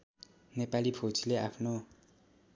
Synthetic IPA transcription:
nepalibʰʱot͡sʰileapʰno

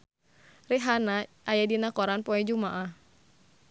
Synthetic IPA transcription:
riɦanaʔajadinakɔɾanpɔɛd͡ʒumaʔah

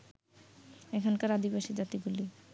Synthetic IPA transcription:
ɛkʰankaɾad̪ibaʃid͡ʑat̪iɡuli

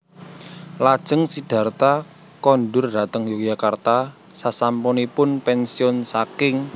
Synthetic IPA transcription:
lad̥ʒ̥əŋsid̥a̤rt̪a | kɔnɖʊrd̥a̤t̪əŋjukjakart̪a | sasampɔnipʊnpɛnsiɔnsakɪŋ

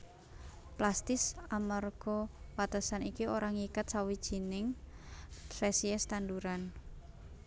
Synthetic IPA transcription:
plast̪ɪsamarɡ̥ɔwat̪asanikioɾaŋikat̪̚sawid̥ʒ̥i̤nɪŋ | ɾɛsiɛst̪and̪uɾan

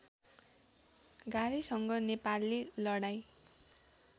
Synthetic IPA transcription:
ɡaɾisʌŋɡʌnepalːelʌɽaj

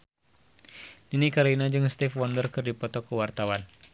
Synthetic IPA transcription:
inikaɾinad͡ʒɨŋst̪ifwɔndərkɨrdipɔt̪ɔkəwart̪awan

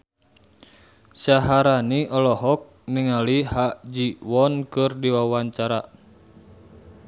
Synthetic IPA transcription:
saɦaɾaniʔɔlɔɦɔk̚niŋalihaʔd͡ʒiwɔnkɨrdiwawaɲt͡ʃaɾa

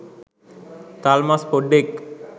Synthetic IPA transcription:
t̪aːlmaspoɖek

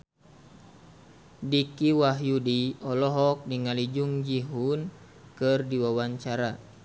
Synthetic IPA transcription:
dikiwaɦjudiɔlɔɦɔk̚diŋalid͡ʒuŋd͡ʒiɦun | kɨrdiwawaɲt͡ʃaɾa

